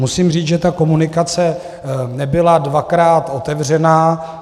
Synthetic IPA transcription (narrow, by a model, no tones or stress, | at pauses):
musiːmriːt͡sʒɛt̪ako̞munɪkat͡sɛ | nɛbɪladvakɾaːt̪ʔo̞t̪ɛvr̝ɛnaː